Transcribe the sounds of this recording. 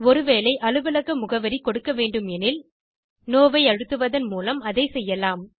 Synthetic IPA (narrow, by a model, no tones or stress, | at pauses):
ɔɾɯʋeːlɐɪʔɐlɯʋɪlɐɣɐmʊɣɐʋɐɾikɔɽɯkːɐʋeːɳɖɯmɛnɪl | noːʋɐɪɐɻɯt̪ːɯʋɐðɐnmuːlɐmɐðɐɪsɛjːɐlaːm